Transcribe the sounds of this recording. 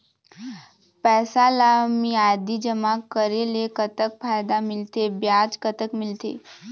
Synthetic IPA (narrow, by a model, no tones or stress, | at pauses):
pɛːsalamiːajd̪id͡ʒəmakəɾelekət̪ək̚fajd̪amɪlt̪ebjad͡ʒkət̪əkmɪlt̪ḛ